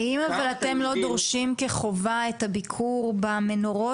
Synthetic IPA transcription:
imavalat̪e̞mlo̞d̪oʁʃimkeχo̞vaet̪habikʰuʁbamenoʁo̞

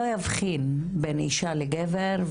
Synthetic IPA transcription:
ojavχin | benḭʃaleɡeveɾ

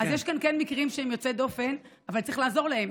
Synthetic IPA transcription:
azjeʃkankenmikʁimʃeemjot͡sed̪ofe̞navaltt͡saɐʁiχlaːzo̞ʁlae̞m

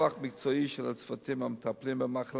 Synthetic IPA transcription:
aχmɪkt͡sɔiʃɛlat͡sfat̪imamət̪ʰaplimbəmaχl

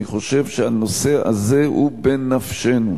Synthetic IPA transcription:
iχo̞ʃe̞vʃehano̞se̞a̰ze̞hubenafʃe̞nu

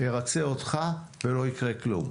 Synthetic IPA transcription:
eʁat͡seot̪χave̞lo̞ikʁeklṵm

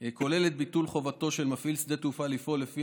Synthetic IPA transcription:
ko̞le̞let̪̚bit̪ulχo̞vat̪o̞ʃe̞lmafilsd̪e̞t̪ufalifo̞lefi

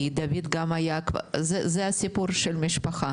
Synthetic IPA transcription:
id̪ɐvid̪ɡamajaka̰zɛzɛasʲipuɾʃelmʲiʃpaxa

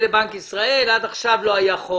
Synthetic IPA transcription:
lebaŋkisʁae̞lad̪aχʃavlo̞ajaχo

